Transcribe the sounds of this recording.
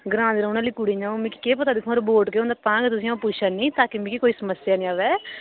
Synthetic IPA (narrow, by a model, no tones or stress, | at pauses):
ɡɾãːnd̪ɾənaːliːkuɽiːd͡ʒãːõmĩki̥keːp̬ət̪aːd̪ɪkʰːɾboːʈkeõːnd̪aːpãːɡt̪ʊsĩːãːpʊt͡ʃʰaːnĩːt̪aːkimĩkikoːiːsəməsɪjaːnĩːaːʋɛː